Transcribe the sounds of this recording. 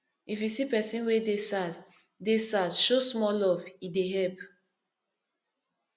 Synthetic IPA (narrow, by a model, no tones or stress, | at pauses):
ifjusipɛsĩnwedesaddesadʃosmɔlɔvideɦɛlp